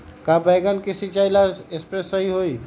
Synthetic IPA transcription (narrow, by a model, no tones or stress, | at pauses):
kabajɡənkisit͡ʃailaespɾesːəɦiɦoi